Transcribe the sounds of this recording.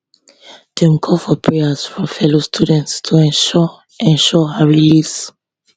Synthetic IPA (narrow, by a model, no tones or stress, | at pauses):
d̥ɛ̃mkʰɔfɔpʰɹeasfɹɔ̃mfɛlostʰudɛ̃ntstʰuɛ̃ | ɛ̃nʃɔhaɹilis